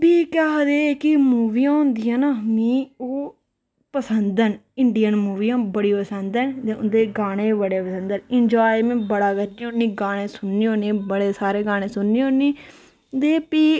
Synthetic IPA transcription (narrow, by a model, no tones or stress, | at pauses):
biːkɛɦd̪eːkɪmuːʋijãːɦʊ̃nd̪ijãːnaːmiːoː | pəsənd̪ənɪɳɖijənmuːʋijãːbəɽiːpəsənd̪ənd̪eːʊ̰nd̪eːɡaːɽ̃eːbəɽeːpəsənd̪ənɪɲd͡ʒaːjmẽːbəɽaːɡəɾd͡ʒiːɦonːiːɡaːɽ̃ẽːsʊnːiːɦoːnẽːbəɽeːsaːɾeːɡaːɽ̃ẽːsʊnːiːõnːiː | d̪eːpiː